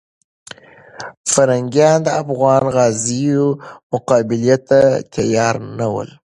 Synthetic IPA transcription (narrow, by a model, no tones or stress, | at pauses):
faɾaŋɡjɑnd̪əafɣɑnɣɑzijomʊqɑbɪlijat̪ːat̪ʰajɑɾnawə̰l